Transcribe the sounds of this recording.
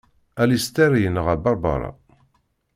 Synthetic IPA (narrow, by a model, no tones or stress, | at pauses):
ælist̪æɾijənəʁæbɑɾˤbɑ̰ɾˤɑ̰